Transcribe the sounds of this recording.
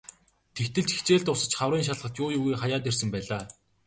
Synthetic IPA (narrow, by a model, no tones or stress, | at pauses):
t̪ʰekt̪ɘ̆ɮt͡ɕi̥xt͡ɕeːɮt̪ʊsə̆t͡ɕχawriːŋʃ̬aɮʁə̆ɬt̪jʊːjʊɣiːχajaːt̪̬ersɘ̆mpæːɮaː